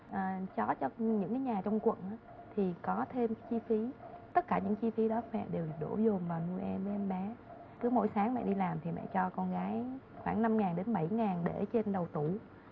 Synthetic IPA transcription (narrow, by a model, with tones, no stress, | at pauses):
ʔəː˨˩t͡ɕɔ˨˦t͡ɕɔ˧ɲɨ̰˧˥ŋkaː˨˦jɲaː˨˩t͡ɕɔ˧wŋ͡mkwə̰˧˨nʔaː˨˦ | t̪ʰi˨˩kɔ˨˦t̪ʰe˧mkaː˨˦jt͡ɕi˧fi˨˦t̪ə˦˥t̚kaː˧˩ɲɨ̰˧˥ŋt͡ɕi˧fi˨˦ɗɔ˨˦mɛ̰˧˨ɗe˨˩wɗo̰˧˩zʊ˨˩ŋ͡mvaː˨˩wnu˧əjʔɛ˧mvəː˨˦jʔɛ˧mɓɛ˨˦ | tɨ˨˦˥əmo̰˧˥˦jsaː˨˦ŋmɛ̰˧˨ɗi˧laː˨˩mt̪ʰi˨˩mɛ̰˧˨t͡ɕɔ˧kɔ˧nɣaː˨˦j | xwaː˧˩ŋna˧mŋaː˨˩nɗe˨˦nɓa˧˩jŋaː˨˩nɗe˧˩t͡ɕe˧nɗə˨˩wt̪u˧˩